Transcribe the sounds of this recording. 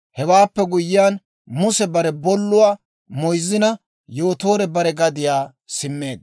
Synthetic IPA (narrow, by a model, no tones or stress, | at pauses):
hɛwaːpːɛɡʊjɪjaːn | mʊsɛbɐɾɛbɔlːʊwaː | mɔjzːɪnɐ | jo̞ːt̪o̞ːɾɛbɐɾɛɡɐd̪ɪjaː | sɪmːe̞ːd̪̚